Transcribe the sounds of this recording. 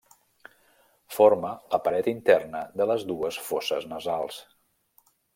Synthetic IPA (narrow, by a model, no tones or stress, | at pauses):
foɾmələpəɾɛt̪int̪ɛrnəd̪ələzd̪uəsfosə̰znəzalˠs